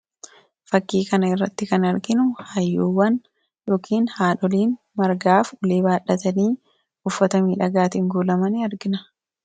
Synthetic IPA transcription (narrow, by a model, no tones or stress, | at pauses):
fɐkːiːkɐnɐɪrːɐt̪ːɪkɐnɐɾɡɪnʊhɐjːoːwːɐn | joːkʰiːnhaːᶑɔliːn | mɐɾɡaːfʊleːbaːᶑɐt̪ɐniː | ʊfːɐt̪ɐmiːᶑɐɡaːt̪ɪŋɡuːlɐmɐnɪɐɾɡɪnɐ